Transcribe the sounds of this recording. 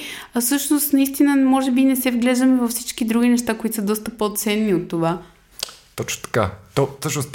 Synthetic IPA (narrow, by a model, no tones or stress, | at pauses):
ɐsɤʃnost̪nɐist̪inəmɔʒɛbinɛsɛvɡlɛʒd̪əmɛvɐfsit͡ʃkid̪ɾuɡ̟inɛʃt̪akoit̪o̥səd̪ɔst̪əpot̪sɛnːiot̪ːova | t̪ɔt͡ʃno̥t̪ɐ̥ka̰t̪ɔfsɤʃnos